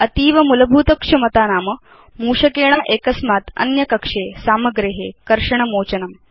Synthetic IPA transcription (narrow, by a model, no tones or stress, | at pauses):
ɐt̪iːʋɐmulɐbʱuːt̪ɐkʂɐmɐt̪aːnaːmɐ | muːʂɐkeːɽ̃aʔeːkɐsmaːt̪ɐ̰njɐkɐkʂeːsaːmɐɡɾeɦeːkɐɾʂɐɳ̃ɐmoːt͡ɕɐnɐm